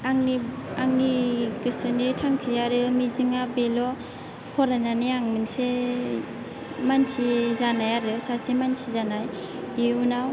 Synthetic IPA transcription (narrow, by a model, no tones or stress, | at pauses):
aŋniaŋniɡɯsɯnitʰaŋsʰiaɾɯmiziŋabelɔ | hʰɔɾananiaŋmɯnse | mansizanajaɾɯsasemansʰizanaj | iunaw